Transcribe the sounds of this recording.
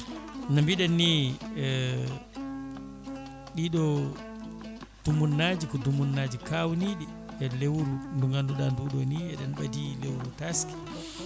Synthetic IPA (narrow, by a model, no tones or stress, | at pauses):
nambiɗanːi | ɗiɗɔ | d̥umunːad͡ʒikɔdumunːad͡ʒikawniɗi | ɛlewɾunduŋɡanduɗanduɗɔniɛɗɛnɓadilewɾutaski̥